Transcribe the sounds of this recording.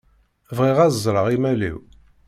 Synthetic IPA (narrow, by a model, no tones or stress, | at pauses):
vʁiʁæzˤzˤɾˤəʁimælḭw